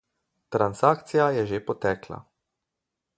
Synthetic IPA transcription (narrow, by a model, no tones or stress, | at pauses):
t̪ɾansaːkt̪sijajɛʒeːpɔt̪ɛːkla̰